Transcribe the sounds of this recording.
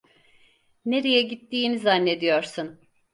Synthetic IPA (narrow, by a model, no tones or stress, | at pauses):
ne̞ɾe̞jɛɟit̪ːiːnizanːe̞d̪ijoɾsun